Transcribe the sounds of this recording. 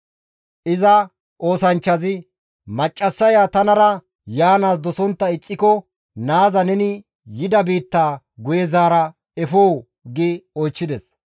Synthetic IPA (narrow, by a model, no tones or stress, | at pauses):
ʔɪzɐ | ʔo̞ːsɐnt͡ʃːɐzɪ | mɐt͡ʃʼːɐsːɐjaːt̪ɐnɐɾɐ | jaːnaːsd̪ɔsɔnt̪ːɐɪt͡sʼːɪkɔ | naːzɐnɛnɪ | jɪd̪ɐbiːt̪ːaː | ɡʊjɛzaːɾɐ | ɛfoːw | ɡɪɔjt͡ʃːɪd̪ɛs